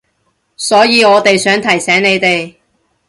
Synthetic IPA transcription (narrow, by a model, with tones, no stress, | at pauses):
sɔː˨˥jiː˨˧ɔː˨˧t̪e˨jsœː˨˥ŋt̪ʰɐ˨˩jsɛː˨˥ŋne˨˧jt̪e˨j